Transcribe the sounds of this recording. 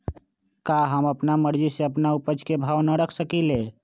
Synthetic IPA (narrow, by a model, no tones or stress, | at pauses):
kaɦəməpnaməɾd͡ʒiseəpnaupəd͡ʒkebʱaʋnəɾəkʰsəkile